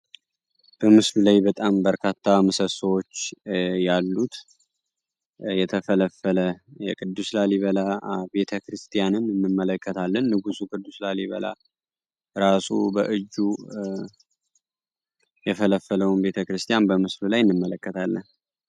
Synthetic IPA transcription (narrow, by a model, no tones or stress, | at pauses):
b̥əmɨslulajbət̪ʼambəɾkʰat̪ʰːamɨsəsəwo̞t͡ʃːjalːut̪ | jɛt̪ʰəfələfələjɛkʼɨd̪ːuslaliβəlabe̞t̪ʰəkɾɨst̪ʰʼijanɨnɨnːɨmːələkʰːət̪ʰalːənːɨɡusukʼɨd̪ːuslaliβə̰la̰ | ɾasubəʔɨd͡ʒːu | jɛfələfːələwunbe̞t̪ʰəkɾɨst̪ʰʼijanbəmɨslulajɨnːɨmːələkːət̪ʰalːən